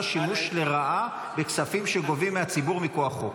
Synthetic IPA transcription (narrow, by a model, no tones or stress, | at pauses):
ʃimuʃle̞ʁaʔa | be̞ksafimʃeɡo̞vimːeat͡sibuʁmikoaχo